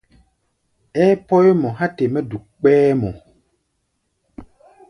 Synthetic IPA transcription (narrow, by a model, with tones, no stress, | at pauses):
ɛ˦pɔ˦jmɔ˨ɦa˦te˨mɛ˦du˨k͡pɛː˦mɔ˨